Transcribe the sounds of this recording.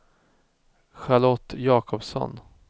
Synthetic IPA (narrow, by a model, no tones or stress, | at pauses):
ɧaɭɔt̪ːjɑːkʰɔpsɔ̰n